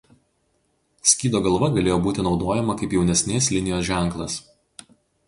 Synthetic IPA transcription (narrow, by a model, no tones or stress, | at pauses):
sʲkʲiːd̪oːɡɐlˠʋɐɡɐlʲeːjoːbuːt̪ʲɪnɒʊd̪oːjɛmɐkɐɪpjɛʊnʲɛsʲnʲeːslʲɪnʲɪjoːsʒʲæˑŋˑklˠɐs